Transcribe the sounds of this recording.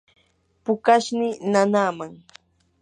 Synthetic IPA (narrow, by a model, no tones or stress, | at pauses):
pʊkaʃnɪnanaːmaŋ